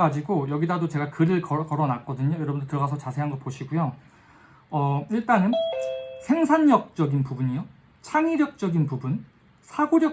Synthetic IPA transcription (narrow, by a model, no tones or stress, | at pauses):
ɡad͡ʑiɡojʌɡidadot͡ɕe̞ɡakɯɾɯɭkʌkʌɾʌnak͈ʌdɯɲojʌɾʌbɯndtɯɭʌɣas̬ʰʌt͡ɕasʰe̞ɦanɡʌt̚poɕʰiɡujo | ʌiɭt͈aŋɯnsʰe̞ŋsʰaɲːʌk̚t͡ɕ͈ʌɡinpubuɲijo | t͡ɕʰaŋiɾjʌk̚t͡ɕ͈ʌɡinpubun | sʰaɡoɾjʌ